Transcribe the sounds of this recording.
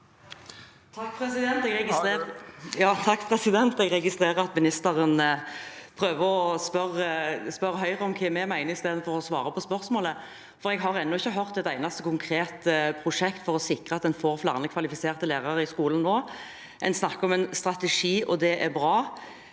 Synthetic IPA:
t̪ʰɑkːpʰɾɛsɪd̪ɛnt̪ɛɡɛɪ | jɑːt̪ʰɑkːpʰʁɛsɪd̪ɛnt̪ɛɡʁɛɡɪst̪ɾeːʁəɾɑt̪mɪnɪst̪əʁən | pʰɾøːʋəʁɔɔspœʁspœɾəɦœʏʁəɔmkʰɛmɛmæɪnəɪst̪eːd̪ənfɔʁɔɔsʋɑ̰ːɾəpʰɔspœɾsmoːlə | fɔɾɛɡɦɑʁɛnːʊɪçːəɦœʁt̪ɛt̪æɪnɑst̪əkʰʊŋkʰʁeːt̪pʰɾʊʂɛkt̪fɔʁɔsɪkʁəɑt̪̚d̪ɛnfoːʁflɑ̰ʁnəkʰʋɑlɪfɪseːʁt̪əleːʁɑʁəɪskuːln̩noː | ʔɛ̰nsnɑkːəɔmɛnst̪ɾɑt̪ɛʂiːʔɔd̪ɛʔæʁbʁɑː

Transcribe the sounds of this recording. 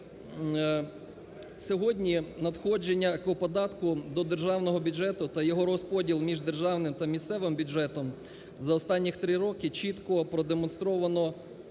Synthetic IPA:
sʲɔɦɔdʲnʲinɐd̪xɔd͡ʒenʲːɐkɔɔpɔd̪ɑt̪kʊd̪ɔd̪e̞rʒɑwnɔɦɔbʲʊd͡ʒɛt̪ʊt̪ɐjɔɦɔɾɔspɔdʲilˠmʲiʒd̪e̞rʒɑwnɪmt̪ɐmʲist̪sɛʋɪmbʲʊd͡ʒɛt̪ɔm | zɐɔst̪ɑnʲːixt̪ɾɪɾɔkɪt͡ʃit̪kɔpɾɔd̪emɔnst̪ɾɔʋɐnɔ

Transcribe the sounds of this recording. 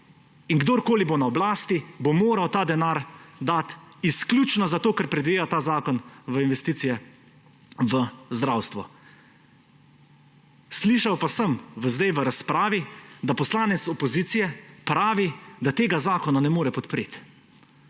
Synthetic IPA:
inɡd̪oːɾkoːlibonaɔblaːst̪ibomoːɾawt̪aːd̪ɛnaːɾd̪aːt̪isklʲjut͡ʃnazat̪oːkəɾpɾɛd̪ʋeːjat̪aːzaːkɔnʋəinʋɛst̪iːt̪sijɛ | ʋəzd̪ɾawst̪ʋɔ | sliːʃawpasəmʋəzd̪ajʋəɾaspɾaːʋid̪apɔslaːnɛt̪sɔpɔziːt̪sijɛpɾaːʋid̪at̪eːɡazaːkɔnanɛmoːɾɛpɔt̪pɾeːt̪

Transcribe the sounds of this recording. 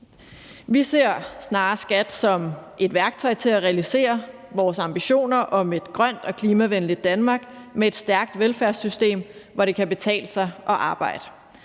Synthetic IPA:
ʋise̝ɐ̰snɑ̈ːsɡ̥æd̥sɒ̽mʔe̝d̥ʋæɐɡ̥̚t͡sʰɒ̽ɪ̰t͡sʰe̝læʁɛælise̝̰ːɐ | ʋɒːsɑ̈mb̥iɕo̝̰ːnɐʔɒ̽me̝d̥ɡ̥ʁɶn̰d̥ɒ̽kʰliːmæʋenlidd̥ænmɑ̈ːɡ̥meed̥sd̥æɐɡ̥̚d̥ʋelfæɐsysd̥e̝̰ːmʋɒɾe̝kʰæb̥e̝t͡sʰɛ̰ːləsɑ̈ɪʔɒ̽ʔɑ̈ːb̥ɑ̈ɪ̰d̥ə

